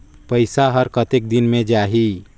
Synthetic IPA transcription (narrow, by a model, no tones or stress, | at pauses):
pəɪsaɦəɾkət̪ek̚d̪ɪnmẽd͡ʒaːɦi